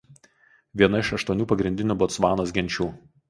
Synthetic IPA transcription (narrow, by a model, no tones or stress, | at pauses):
ʋʲiɛnɐɪʃɐʃt̪uɔnʲuːpɐɡɾʲɪnʲd̪ʲɪnʲuːbɔːt̪sʋɑːnoːsɡʲɛnʲt͡ʃʲuː